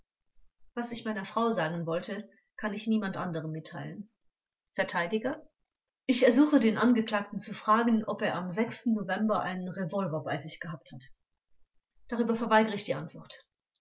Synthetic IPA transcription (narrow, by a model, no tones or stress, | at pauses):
vasɪçmaɪnɐfʁ̥aʊzaːɡn̩vɔltə | kʰanɪçniːmantʔandəʁ̞əmːɪtʰːaɪlən | fɛɐtʰaɪdɪɡɐ | ʔɪçɛɐzuːxədeːnʔanɡəkl̥aːk̚tn̩t͡sufʁ̥aːɡən̩ʔɔpeːɐʔamzɛkstn̩ːovɛmbɐʔa̰ɪnənʁevɔlvɐɐbaɪzɪçɡ̥əɦaːp̚that | d̥aʁyːbɐfoɐvaɪɡəʁɪçd̥iːʔantv̥ɔɐt